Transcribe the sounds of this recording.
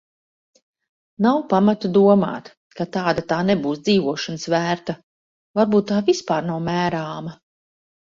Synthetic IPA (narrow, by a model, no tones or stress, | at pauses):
nawpamat̪ad̪uɔma̰ːt̪ | kat̪aːd̪at̪aːnebuːsd̪ziːvuɔʃanɨsvæːɾt̪a | vaɾbuːt̪ːaːvispaːɾnawmæːɾaːmɐ